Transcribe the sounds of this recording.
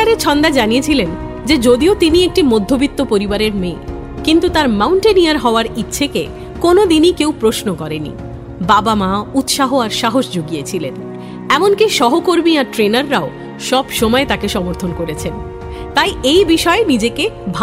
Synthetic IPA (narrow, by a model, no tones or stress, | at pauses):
aɾet͡ɕʰɔnd̪aed͡ʑanijet͡ɕʰilen | d͡ʑed͡ʑod̪iot̪iniek̚ʈimod̪ʱːobit̪ːopoɾibaɾeɾmeː | kint̪ut̪aɾmawɳʈeniaɾɦɔoaɾitːɕʰeke | konod̪inikewpɾosnokɔɾenḭ | babamaut̪ʃaɦoaɾʃaɦoʃd͡ʑoɡijet͡ɕʰilen | ɛmonkiʃɔɦokoɾmiaɾʈɾenaɾːao | ʃɔbʃɔmɔet̪akeʃɔmoɾt̪ʰonkoɾet͡ɕʰen | t̪ajejbiʃɔenid͡ʑekebʱa